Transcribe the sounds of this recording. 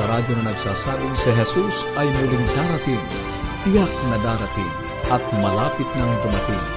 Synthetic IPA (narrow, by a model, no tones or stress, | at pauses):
ɐɾaːd͡ʒɐŋɐnɐɡsaːsaːbɪŋsɪɦɛsusɐjmulɪŋd̪aːɾɐt̪ɪŋ | pɪjak̚nɐd̪aːɾɐt̪ɪ̰ŋ | ʔɐt̪̚mɐlaːpɪt̪̚nɐŋd̪ʊmɐt̪ɪ̰ŋ